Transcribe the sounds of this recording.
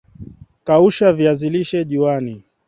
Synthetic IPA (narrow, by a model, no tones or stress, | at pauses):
kauʃaviaziliʃɛʄiwani